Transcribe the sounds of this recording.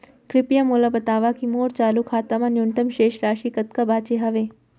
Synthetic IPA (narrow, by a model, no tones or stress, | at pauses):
kɾɪpijamoːlabɐt̪aːʋakimoːɾt͡ʃaːlukʰaːt̪ɐmanjunt̪əmʃeːʃɾaːʃiːkɐt̪kɐbʱaːt͡ʃeɦɐʋeː